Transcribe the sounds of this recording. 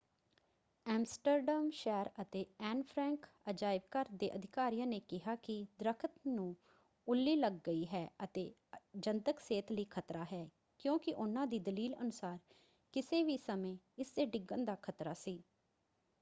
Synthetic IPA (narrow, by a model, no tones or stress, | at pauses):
ɛːmsʈəɾɖəːmʃɛːɾət̪eːɛːnpʰɾɛ̃ːŋk | əd͡ʒaːɪb̚kəɾd̪ḛːʔəd̪ʱɪkaːɾijãːneːkɪɦaːkɪd̪ɾəkʰət̪nũː | ʊlːiːləɡːəiːɦɛːət̪eː | d͡ʒənt̪əkseːt̪ləiːkʰət̪ɾaːɦɛː | kjõːkɪʔʊnãːd̪iːd̪əliːlənʊsaːɾ | kɪseːʋiːsəmẽː | ɪsːeːɖɪɡənd̪aːkʰət̪ɾaːsiː